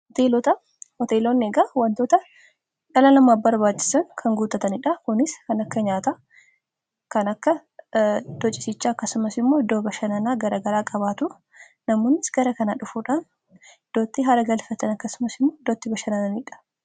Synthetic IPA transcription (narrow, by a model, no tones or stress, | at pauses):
hɔt̪eːlot̪ɐ | hɔt̪eːloneːɡaːwɐnt̪oːt̪ɐ | ᶑɐlɐnɐmaːfbɐɾbaːt͡ʃːɪ̥sɐŋkʰɐŋɡuːt̪ɐt̪ɐnɪᶑɐkʊnɪskɐnɐkːɐɲaːt̪a | kɐnɐkːɐ | d̪̥ɔt͡ʃʼːɪsɪt͡ʃːaːɐkːɐsʊmɐsɪmːo̞ːɪd̪ːoːbɐʃɐnɐnaːɡɐɾɐɡɐɾaːkʼɐbaːt̪ʊː | ɐmoːnːɪsɡɐɾɐkɐnaᶑʊfuːᶑaːn | d̪̥oːt̪ːɪɦɐɾɐɡɐlfɐt̪ɐnɐkːɐsʊmɐsɪmːoːɪd̪oːt̪ːɪbɐʃɐnɐnɐnɪᶑɐ̥